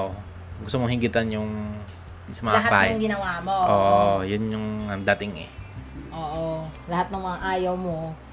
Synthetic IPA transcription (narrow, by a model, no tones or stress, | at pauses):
ʔo | ɡʊst̪ʊmohiŋɡit̪ɐnjʊŋ | sɐmɐlaɦpajŋɡɪnɐwamoʔoːʔojʊnjʊŋɐnd̪at̪ɪŋɛ̰ʔoːʔolɐhat̪̚nɐŋmɐŋaʔaːjɐwmo